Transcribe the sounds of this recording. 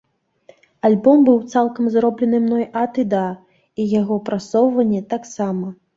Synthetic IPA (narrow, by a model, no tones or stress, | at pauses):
alʲbɔmbɨwt̪salˠkɐmzɾɔblʲɛnɨmnɔjʔat̪ɨd̪a | ijaɣɔpɾasɔwvɐnʲːɛt̪aksamɐ